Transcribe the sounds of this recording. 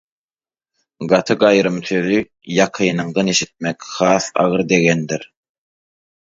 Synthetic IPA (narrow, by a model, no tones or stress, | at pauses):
ɢɑt̪ʰɯɡɑjɾɯmθøðy | jɑqʰɯːnɯŋd̪ɑneʃit̪̚mekχɑːθɑ̰ʁɯɾd̪e̞ɣend̪iɾ